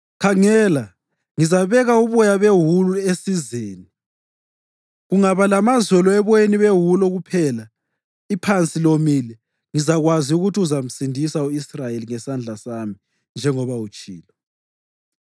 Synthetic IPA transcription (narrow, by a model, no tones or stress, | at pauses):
kʰaŋɛːla | ŋizaβɛɣauβɔjaβeɦuluesizeːni | ɣuŋaβalamazɛlɔɛβɔeniβeɦulɔɣupʰɛːla | ipʰant͡sʼilomiːlɛ | ŋizaɣwaziuɣutʰiuzam̩sindʱisauisrajeliŋɛsand͡ɮʱasami | nd͡ʒʱɛŋɔβaut͡ʃʼiːlɔ